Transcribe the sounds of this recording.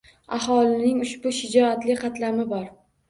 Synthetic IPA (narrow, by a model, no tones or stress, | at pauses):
ahɒlɪnɪŋʊʃbʊʃɪd͡ʒɒat̪lɪqʰɑt̪lamɪbɒɾ